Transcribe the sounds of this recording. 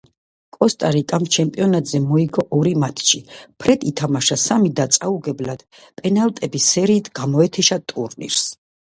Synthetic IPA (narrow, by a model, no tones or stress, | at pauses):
kʼɔst̪ʼaɾikʼamt͡ʃʰɛmpʼiɔnat̪ʼzɛmɔiɡɔʔɔɾimat̪ʰʃipʰɾɛd̪it̪ʰamaʃasamid̪at̪sʼauɡɛblad̪̥ | pʼɛnalt̪ʼɛbisɛɾiːt̪ʰɡamɔɛt̪ʰɛʃat̪ʼṵɾnḭɾs